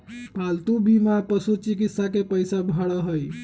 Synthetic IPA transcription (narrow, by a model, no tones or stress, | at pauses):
palt̪ubʱimapəsut͡ʃikit̪sakepəjsabʱəɽəɦəj